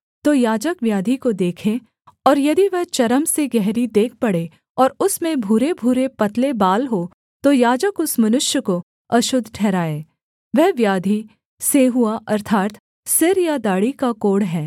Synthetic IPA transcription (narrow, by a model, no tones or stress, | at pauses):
t̪oːjaːd͡ʒəkʋjaːd̪ʱikod̪eːkʰẽ | ɔːɾjɐd̪iʋɐɦt͡ʃɐɾəmseɡɛɦɾid̪eːk̚ʰpɐɽe | ɔːɾʊsmẽbʱuːɾebʱuːɾepɐt̪lebaːlɦo | t̪ojaːd͡ʒəkʊsmɐnʊʃjəko | ɐʃʊd̪ʱːʈʰɛːɾaːeː | ʋɛɦʋjaːd̪ʱi | seɦuaʔɐɾt̪ʰaːt̪ | sɪɾjad̪aːɽikakoːɽɦɛː